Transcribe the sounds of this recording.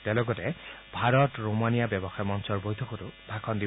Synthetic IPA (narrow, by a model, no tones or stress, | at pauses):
tɛlɔɡɔtɛbʱaɹɔtɹomanijabjɔbɔxajmɔnsɔɹbojtʰɔxɔtʊbʱakʰɔndi